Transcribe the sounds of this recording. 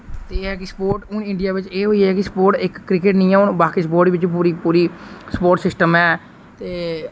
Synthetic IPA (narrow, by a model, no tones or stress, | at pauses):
t̪eːɦɛːk̬ɪspoːɾʈʊnɪɳɖɪjaːʋɪt͡ʃeːɦoːiɦɛːkɪsə̥poːɾʈɪkːɾɪkɪʈnĩːaːʊɳbaːkiːsəpoːɾʈʋɪt͡ʃp̬uːɾiːpuːɾiːsəpoːɾʈsɪsʈəmɛː | t̪eː